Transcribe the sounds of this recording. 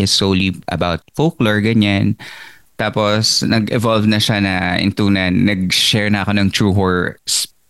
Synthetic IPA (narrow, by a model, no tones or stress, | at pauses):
ʔɪsowliʔɐ̰bawt̪̚fokloɹɡɐɲan | t̪aːposnɐɡɪvɔlvnɐʃanɐʔɪ̰nt̪uːnɐnːɐɡ̚ʃɛɹnɐʔɐkonɐŋt̪ɹuːɦoɹs